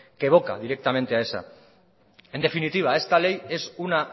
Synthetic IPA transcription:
ke̞β̞o̞ka̰ðiɾe̞k̚t̪ame̞nt̪e̞ae̞sa̰ | e̞nd̪e̞finit̪iβ̞ae̞st̪ale̞je̞suna

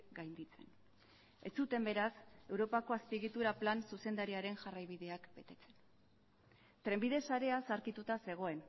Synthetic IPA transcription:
ɡajnd̪it͡se̞n | e̞t͡sut̪e̞mbe̞ɾase̞wɾo̞pako̞aspiɣit̪uɾaplansuse̞nd̪aɾiaɾe̞nʝarajβiðe̞akbe̞t̪e̞t͡se̞̥n | t̪ɾe̞mbið̞e̞saɾe̞asaɾkit̪ut̪ase̞ɣ̞o̞e̞n

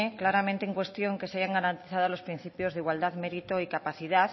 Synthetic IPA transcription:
eklaɾamẽnt̪eeŋkwe̞st̪jo̞ŋke̞saʝaŋɡaɾant̪iθaðolo̞spɾĩn̟θipjo̞zðiɣwald̪aðme̞ɾit̪oikapaθiðað

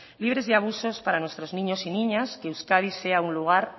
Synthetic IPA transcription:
liβ̞ɾezðeaβ̞usospaɾanwest̪ɾoznĩɲosinĩɲaskewskað̞iseaunluɣ̞aɾ

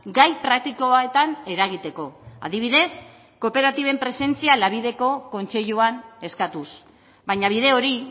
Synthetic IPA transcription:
ɡajpɾak̚t̪iko̞aet̪ane̞ɾaɣ̞it̪e̞ko̞a̰ðiβ̞iðe̞s | ko̞pe̞ɾat̪iβe̞mpɾe̞se̞nt͡sialaβ̞iðe̞ko̞ko̞nt͡se̞ʎuane̞skat̪us | bajɲaβ̞iðe̞o̞ɾi

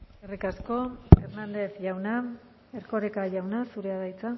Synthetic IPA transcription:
erikasko̞eɾnand̪e̞θʝawna | eɾko̞ɾekaʝawnasuɾe̞aðajt͡sa

